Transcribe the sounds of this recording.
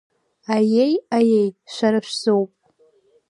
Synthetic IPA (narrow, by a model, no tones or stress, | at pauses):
ajejajejʃʷaɾɨʃʷᶣzowpʼ